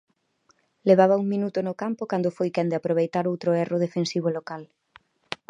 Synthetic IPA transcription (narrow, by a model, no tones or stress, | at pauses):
leβaβɐuŋmĩnut̪ʊnʊkampʊkand̪ʊfojkɛnd̪ɪapɾoβ̞ejt̪aɾowt̪ɾoɛrʊðefensiβ̞olokal